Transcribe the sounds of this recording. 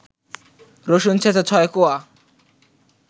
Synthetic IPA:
ɾoʃunt͡ɕʰetʰat͡ɕʰɔekoa

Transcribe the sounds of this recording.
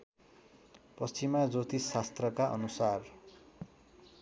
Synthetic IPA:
pʌst͡simad͡zot̪isast̪rʌkaʔʌ̰nusar

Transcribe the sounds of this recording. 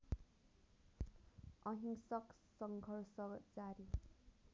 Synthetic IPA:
ʌɦiŋsʌk | sʌŋɡʱʌrsʌd͡zaɾi

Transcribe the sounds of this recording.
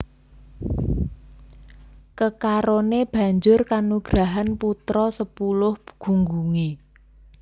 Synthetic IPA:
kəkaɾoneb̥ä̤ɲd͡ʒʊrkanuɡ̥ɾaɦanput̪ɾɔsəpulʊhɡ̥ṳŋɡuŋe

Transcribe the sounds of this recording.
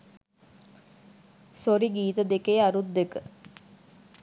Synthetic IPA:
soɾiɡiːt̪əd̪ekejaɾud̪ːekə

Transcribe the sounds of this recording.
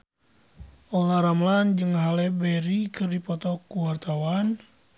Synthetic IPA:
ʔɔlaɾamland͡ʒɨŋɦalɛbɛɾikɨrdipɔt̪ɔkuwart̪awan

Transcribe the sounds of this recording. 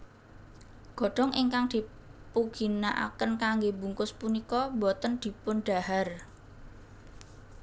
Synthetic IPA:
ɡ̥ɔ̤ɖ̥ɔ̤ŋʔiŋkaŋd̪̥i̤puɡ̥i̤naʔa̰kənkaŋɡebṳŋkʊspunikɔbɔt̪ənd̪̥i̤pʊnɖ̥a̤har

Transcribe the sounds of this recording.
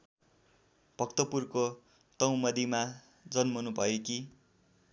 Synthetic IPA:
bʱʌkt̪ʌpurko | t̪ʌw̃mʌd̪ima | d͡zʌnmonubʱʌjeki

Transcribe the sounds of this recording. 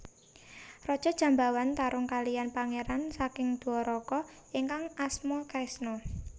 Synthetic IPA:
rɔd̥ʒ̥ɔ̤dʒ̥a̤mbawant̪aɾʊŋkalijanpaŋeɾansakɪŋd̪̥uɔɾɔkɔ | iŋkaŋasmɔkɾɛsnɔ

